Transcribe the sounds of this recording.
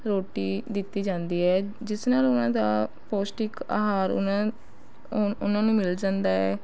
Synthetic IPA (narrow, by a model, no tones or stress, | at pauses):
ɾoːʈiːd̪ɪt̪ːiːd͡ʒãːnd̪iːɦɛː | d͡ʒɪsnaːlʊnãːd̪aː | poːsʈɪka̰ːɦaːɾnã | ʊnãːnũːmɪld͡ʒãːnd̪aːɛː